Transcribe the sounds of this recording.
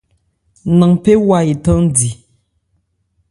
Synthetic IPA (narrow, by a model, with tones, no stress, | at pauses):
nə˨ŋpe˦wa˦˨i˨tə˦di˨